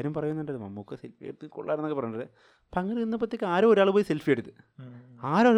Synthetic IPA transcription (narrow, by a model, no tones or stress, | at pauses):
ɾumpɐrɐjunːuɳɖɐlmɐmːukːesḛlfijḛɽut̪ːɨko̰ɭːaːɾɐnːokːepɐrɐjuɳɖɐle | pːɐŋːɐɾiinːɐp̬ːɐt̪ːekʲːɨaːɾoːɾaːɭɨpoːjiselfijeɽut̪ːɨ̥ | aːɾaːɭ